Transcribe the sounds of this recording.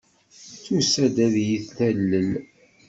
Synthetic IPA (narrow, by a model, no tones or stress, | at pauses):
θusæd̪æðjiθθælːəl